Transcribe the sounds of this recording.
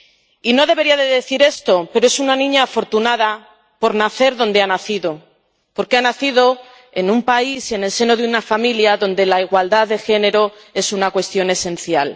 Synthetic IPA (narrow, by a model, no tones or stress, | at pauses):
ino̞ðe̞βe̞ɾiaðe̞ðe̞θiɾe̞st̪o̞peɾoe̞sunanĩɲaːfo̞ɾt̪unaða | po̞ɾnaθe̞ɾðo̞nd̪e̞anaθiðo̞ | po̞ɾkeanaθiðo̞ | e̞numpaisie̞ne̞lse̞no̞ðeunafamiljaðo̞nd̪e̞laiɣwald̪aððe̞xe̞ne̞ɾo̞e̞sunakwe̞st̪jo̞ne̞sẽ̞nθjal